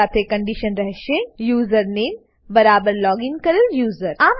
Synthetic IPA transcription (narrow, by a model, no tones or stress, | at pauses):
aːt̪ʰekɐ̃ɳɖiʃənɾɛɦʃejuːzəɾneːm | bɐɾaːbəɾlɔːɡɪŋkɐɾɪljuːzəɾaːm